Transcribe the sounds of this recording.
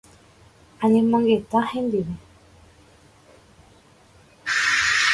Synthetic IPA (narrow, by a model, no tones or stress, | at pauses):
anĩmãŋɡet̪ahend̪iβe